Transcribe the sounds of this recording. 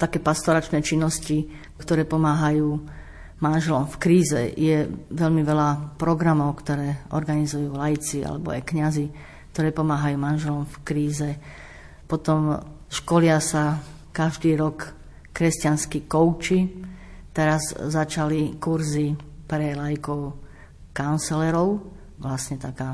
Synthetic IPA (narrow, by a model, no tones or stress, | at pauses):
t̪akɛːpast̪ɔɾat͡ʃnɛːt͡ʃinːɔsci | kt̪ɔɾɛːpɔmaːɦajuː | manʒɛlɔmfkɾiːzɛ̰jɛʋɛʎmiʋɛlapɾɔɡɾamɔʊkt̪ɔɾɛːʔɔɾɡanizujuːlajit͡sia̰lɛ̰bɔ̰a̰jkɲazi | k̚t̪ɔɾɛːpɔmaːɦajuːmanʒɛlɔmfkɾiːzɛ | pɔt̪ɔm | ʃkɔlɪasa | kaʒd̪iːɾɔkː | ɾɛstcanskikɔʊt͡ʃi | t̪ɛɾazːat͡ʃalikuɾzipɾɛlajikɔʊ | kant͡sɛlɛɾɔʊ | ʋlasɲɛt̪akaː